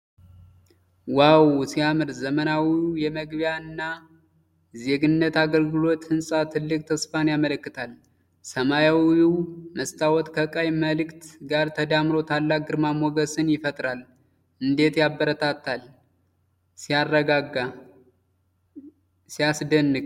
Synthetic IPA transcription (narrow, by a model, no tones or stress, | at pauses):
wawsijamɨɾzəmənawiujɛməɡbjaɨnːa | ze̞ɡɨnːət̪aɡəlɡɨlo̞t̪hɨnsʼat̪ʰɨlːɨkʼt̪ʰəsfanjamələkːɨt̪ʰal | səmajawuməst̪ʰawɔt̪kʰəkʼajməlɨkt̪ɡaɾt̪ʰəd̪amɾo̞t̪ʰalːak̚ɡɨɾmamɔɡəsɨnjɪfət̪ʼɾal | ʔɨnd̪e̞t̪jabːəɾət̪ʰat̪ʰːal | sijarːəɡaɡa | sijasd̪ənːɨɡ